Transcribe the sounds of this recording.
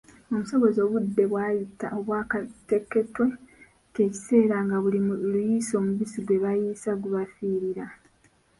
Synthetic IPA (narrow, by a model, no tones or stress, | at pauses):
o̞muso̞βo̞zo̞ːβudːe̞βwaːjitaoβwaːkate̞kːe̞twe̞ | te̞ːci̥se̞ːɾaŋɡaβulilujiso̞ːmuβisiɡwe̞βajiːsaɡuβafiːɾiɾa